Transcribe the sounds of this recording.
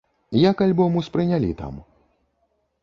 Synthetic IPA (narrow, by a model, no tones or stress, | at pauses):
jakalʲbɔmuspɾɨnʲalʲḭt̪a̰m